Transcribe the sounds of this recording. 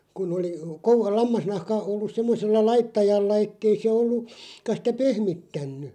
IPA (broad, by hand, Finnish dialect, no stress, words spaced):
kun oli ko lɑmːɑsnɑhkɑ olːus semːoselːɑ lɑitːɑjɑlːɑ etːei se olːu kɑ sitæ pehmitːænːy